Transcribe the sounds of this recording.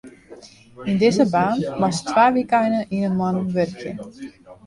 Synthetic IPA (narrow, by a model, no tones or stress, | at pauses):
indɪzəbaːnmɔstʋaːʋikajnəʔinənmɔnəʋørkjə